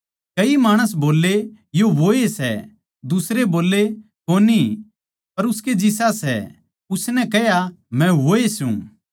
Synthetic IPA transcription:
kɐimaːɽ̃əs̬boːlːe | joʋoːesɛ̰ | d̪ʊsɾeboːlːe | koːni | pɐɾʊsked͡ʒɪs̬asɛ̰ | ʊsnɛkɛɦjamɛ̃ʋoːesṵ̃

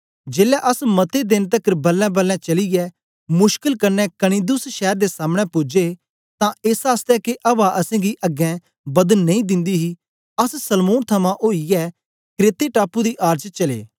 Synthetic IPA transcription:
d͡ʒeːlɛʔəsmɐt̪ed̪ɪnt̪ɐkːəɾbɐlːɛ̃bɐlːɛ̃t͡ʃɐliɡɛ | mʊʃkəlkɐɾnɛkɐɽ̃ĩːd̪ʊsʃɛːɾd̪esaːməɽ̃ɛpʊd͡ʒe | t̪ãeːsaːst̪ɛkeʔɐbaʔɐsɛ̃ɡiʔɐɡːɛ̃ | bɐd̪ənnɐ̃ĩd̪ɪ̃nd̪iɦi | ɐssɐlmoːnt̪ʰɐmãʔoːijɛː | kɾeːt̪eʈaːpud̪iʔaːɾd͡ʒt͡ʃɐlḛː

